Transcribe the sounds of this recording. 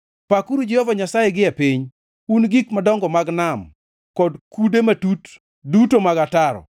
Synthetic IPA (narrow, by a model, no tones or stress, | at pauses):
pakuɾud͡ʒɛhɔvaɲasajeɡɪɛpiɲ | unɡikmadɔŋɡɔmaɡnam | kɔdkudematut | dutomaɡataɾɔ̰